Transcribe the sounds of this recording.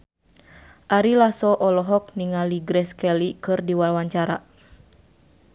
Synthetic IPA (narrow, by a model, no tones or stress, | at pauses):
ʔaɾilasɔʔɔlɔɦɔk̚niŋaliɡɾɛskɛlikɨrdiwarwaɲt͡ʃaɾa̰